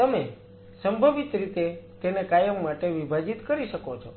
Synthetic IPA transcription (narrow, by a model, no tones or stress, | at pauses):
t̪əme | səmbʱəʋit̪ɾit̪et̪enekajəmːaʈeʋibʱad͡ʒit̪kəɾiʃəkot͡ʃʰo